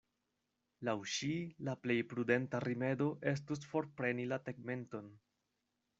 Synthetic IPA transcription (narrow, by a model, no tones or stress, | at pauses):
lawʃilaple̞jpɾude̞ntaɾime̞do̞ʔe̞s̬tus̬fo̞ɾpɾe̞nilateɡme̞nto̞n